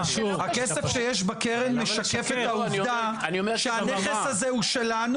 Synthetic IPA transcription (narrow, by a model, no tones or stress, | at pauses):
hakesefʃejeʃ̬bakeʁemːeʃakefetauvda | niomeʃeaneχeshazehuʃe̞lan